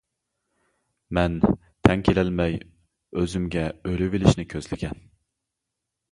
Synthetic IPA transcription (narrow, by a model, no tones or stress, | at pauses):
mɛn | t̪ʰɛŋkʲʰelɪlmɛj | øzymɡʲɛøɾɪvɪlɪʃnɪkʲʰøzlɪkʲʰɛn